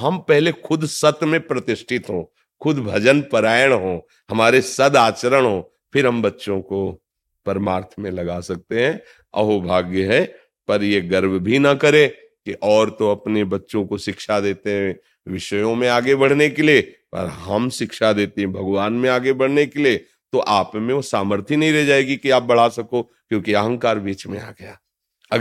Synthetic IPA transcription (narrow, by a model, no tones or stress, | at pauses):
ɦɐmpɛɦlexʰʊd̪sɐt̪mẽpɾɐt̪ɪʃʈʰɪt̪ɦõː | kʰʊd̪ʱbʱɐd͡ʒənpɐɾaːjəɽ̃ɦõː | ɦɐmaːɾesɐd̪aːt͡ʃəɾəɽ̃ɦõː | pʰɪɾɦɐmbɐtːʃõko | pɐɾmaːɾt̪ʰmẽlɐɡasɐk̚t̪eɦɛ̃ | ɐ̰ɦobʱaːɡjəɦɛ | pɐɾjeɡɐɾbʱbʱinɐkɐɾẽ | kiʔɔːɾt̪oɐpnebɐtːʃõkoʃɪkʃad̪eːt̪eɦɛ̃ | ʋɪʃəjõmẽaːɡebɐɽ̤nekeliepɐ̰ɾɦɐmʃɪkʃad̪eːt̪eɦɛ̃bʱɐɡʋaːnmẽaːɡebɐɽ̤nekelie | t̪oʔaːpmẽosaːməɾt̪ʰinɐɦĩɾɛɦd͡ʒaːeːɡikiaːp̚bɐɽ̤asɐko | kjõːkiɐɦə̃ŋkaːɾbiːt͡ʃmḛ̃a̰ːɡɐja̰ː | ɐ